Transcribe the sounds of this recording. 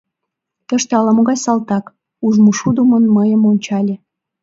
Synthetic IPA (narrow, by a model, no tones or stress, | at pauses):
t̪əʃt̪eɑlɑmoɣɑjsɑlt̪ɑk | uʒmoʃud̪umonməjəmonʲt͡ɕɑlʲe